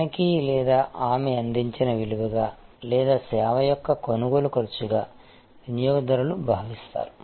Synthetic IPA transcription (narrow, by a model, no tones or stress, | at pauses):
ɐkilɛːd̪aːʔaːmɛɐnd̪iɲt͡ʃinɐʋiluɡɐɡaːlɛːd̪aːsɛːʋɐjɔkːɐkonuɡo̞ːlukoɾt͡ʃuɡaː | nijoːɡɐd̪ɐɾɐlubʱaːʋist̪a̰ːɾu